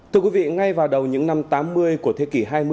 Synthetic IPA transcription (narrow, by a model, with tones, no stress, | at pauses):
t̪ʰɨ˧əkwi˨˦vḭ˧˨ŋa˧jvaː˨˩wɗə˨˩wɲɨ̰˧˥ŋna˧mt̪aː˨˦mːɨ˧əjku˧˩ət̪ʰe˨˦ki˧˩ɦaː˧jmɨ˧